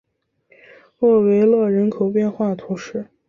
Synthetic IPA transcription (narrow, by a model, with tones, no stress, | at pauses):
lɔ˥˩we˧˥ɪlwɤ˥˩ɻə˧˥nkʰo˨˩ʊpjɛ˥˧nxwa˥˩t̪ʰu˧˥ʂɻ̩˥˩